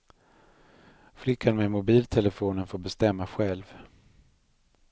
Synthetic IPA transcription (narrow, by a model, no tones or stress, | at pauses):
flɪkʰːanmemʊbiːlt̪ʰɛləfoːnənfoːɾbɛst̪ɛmːaɧɛlv